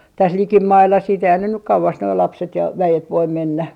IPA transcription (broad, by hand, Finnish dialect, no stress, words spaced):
tæs likimɑilːɑ siːt eihæn ne nyk kɑuʋɑs noi lɑpset jɑ ʋæjet ʋoim menːæ